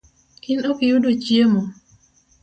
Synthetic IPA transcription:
kɪnokijudot͡ʃiemɔ

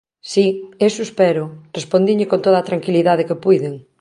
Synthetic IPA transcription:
siesuspɛɾʊrespond̪iʎɪkõnt̪oðaːt̪ɾaŋkiliðaðekepujðeŋ

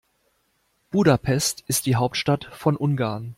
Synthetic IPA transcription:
b̥uːdapʰɛstɪst̚d̥iːɦaʊp̚tʃtatfɔnʔʊnɡaːɐn

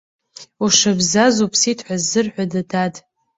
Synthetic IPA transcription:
uʂabzazupʰsitʰħʷazːɨrħʷadadad

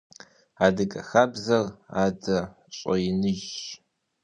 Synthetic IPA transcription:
aːdɨɡʼɐ̰xaːbzɐraːdɐ | ɕʷʼɔjnɨʒ

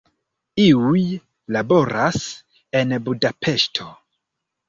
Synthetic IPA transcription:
iuj | labo̞ɾʔas | e̞nbudapʰe̞ʃtʰo̞

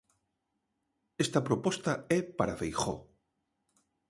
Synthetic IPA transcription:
est̪apɾopost̪aepaɾafejxo̰

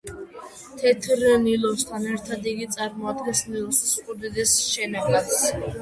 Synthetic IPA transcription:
t̪ʰɛt̪ʰɾnilˠɔst̪ʰanɛɾt̪ʰad̪iɡit̪sʼaɾmɔad̪ɡɛnsnilˠɔsisχʼuɾd̪ɛd̪ɛsʃɛnaɡat̪s

